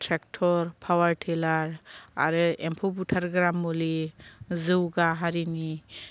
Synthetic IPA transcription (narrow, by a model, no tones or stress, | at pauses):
tʰɾɛk̚ʈʰɔɾpʰawaɹʈʰelaɹa̰ɾɯɛmpʰobuʈʰaɾɡɾamːolizɯwɡaɦaɾini